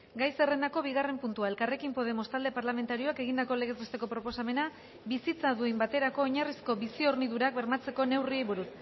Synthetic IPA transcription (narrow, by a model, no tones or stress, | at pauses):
ɡajsere̞nd̪ako̞βiɣare̞mpunt̪uae̞lkare̞kimpo̞ð̞e̞mo̞st̪ald̪e̞paɾlame̞nt̪aɾio̞ake̞ɣind̪ako̞le̞ɣ̞e̞zbest̪e̞ko̞pɾo̞po̞same̞na | bisit͡saðuembat̪e̞ɾako̞ːɲarisko̞βisio̞ɾniðuɾak̚be̞ɾmat͡se̞ko̞ne̞wriejβuɾut̪